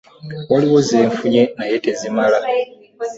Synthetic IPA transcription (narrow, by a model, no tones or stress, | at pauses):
waliwozeːɱfuɲenajetezimala